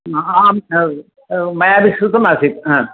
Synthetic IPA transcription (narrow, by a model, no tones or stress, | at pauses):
a | mɐjaːbisɾut̪ːɐmaːsit̪aː